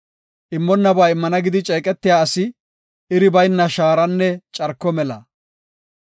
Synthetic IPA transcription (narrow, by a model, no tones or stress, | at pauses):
ʔɪmːɔnːɐbaːɪmːɐnɐɡɪd̪ɪt͡ʃʼɛːkʼɛt̪ːɪjaːɐsɪ | ɪɾɪbɐjnːɐʃaːɾɐnːɛt͡ʃʼɐɾkːɔmɛlɐ̰